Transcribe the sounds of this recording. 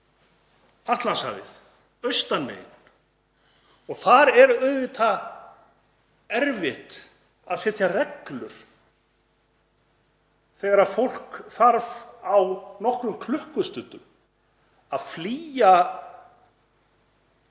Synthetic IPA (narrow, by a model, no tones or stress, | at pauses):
aht̪lansa̰vɪ̰θ | œɥst̪anmḛːjn | ɔɣθaɾɛɾœɥðvɪt̪ʰa | ɛɾvɪht̪ | aðsɛt̪ʰjarɛklʏ̰ɾ̥ | θɛɣaɾaðfowl̥kθaɾvawnɔhkɾʏmkʰlʏhkʏst̪ʏnt̪ʏm | aðfliːja